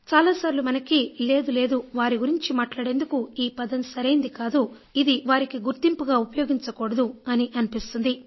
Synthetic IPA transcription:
t͡ʃaːlaːsaːɾilumɐnɐkile̞ːd̪ule̞ːd̪uʋaːɾiɡuɾiɲt͡ʃimaːʈlaːɽe̞ːnd̪ukuiːpɐd̪ɐmsɐɾɐjind̪ikaːd̪u | id̪iʋaːɾikiɡuɾt̪impuɡaːupɐjoːɡiɲt͡ʃɐkoːɽɐd̪uɐniʔɐnipist̪und̪i

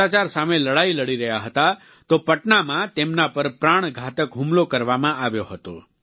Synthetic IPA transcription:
at͡ʃaɾsameləɽailəɽiɾəɦjaɦət̪a | t̪opəʈnamãt̪emnapəɾpɾaɽ̃ɡʱat̪əkɦumlokəɾʋamãaʋjoɦət̪o

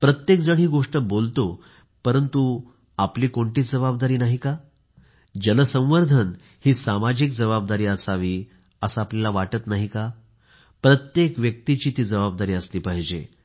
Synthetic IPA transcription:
pɾət̪jek̚d͡zəɽ̤̃iːɡoʂʈəbolt̪o | pəɾənt̪u | apliːkoɳʈiːd͡zəbabd̪aɾiːnaɦika | d͡ʑənəsə̃w̃ʋəɾd̪ʱən | hiːsamad͡ʑik̚d͡zəβab̚d̪aɾiːəsaʋiː | əsaːplalaʋaʈət̪naɦika | pɾət̪jekʋjək̚t̪it͡ɕiːt̪iːd͡zəbab̚d̪aɾiːəst̪iːpaɦd͡ʑḛ

